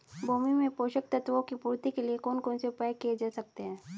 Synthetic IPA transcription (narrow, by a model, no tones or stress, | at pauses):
bʱoːmimẽpoːʃəkt̪ɐt̪ʋõkipuːɾt̪ikeliekɔːnkɔːnsepaːjkːied͡ʒaːsɐk̚t̪eɦɛ̃ː